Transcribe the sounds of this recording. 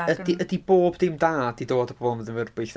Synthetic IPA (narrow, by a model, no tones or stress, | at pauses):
ədiʔədiboːbdɪmdaːdidoːdəpʰɔblməðənvərbɪɬ